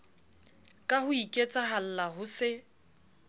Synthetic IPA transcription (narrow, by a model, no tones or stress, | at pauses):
kʼahʊikʼet͡sʼaɦal̩lahʊsɪ